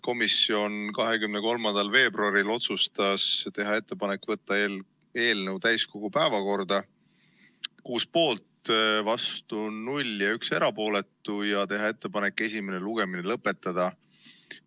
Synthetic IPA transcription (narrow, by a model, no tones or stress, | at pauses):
ko̞misːio̞nkɑɦe̞kymneko̞lmɑnd̪̥ɑlve̞ːbruɑɾilo̞t̪sust̪ɑst̪e̞ɦɑe̞t̪ːe̞pɑne̞kːˑvɤt̪ːɑe | e̞ːlnəwt̪æjsko̞ɡ̥upæevɑko̞rd̪ɑ | kuːspo̞ːlt̪vɑst̪unulʲjɑykse̞ɾɑpo̞ːle̞t̪ːˑujɑt̪e̞ɦɑe̞t̪ːe̞pɑne̞kːˑe̞sʲime̞neluɡ̥e̞minelɤpːe̞t̪ːˑɑd̪̥ɑ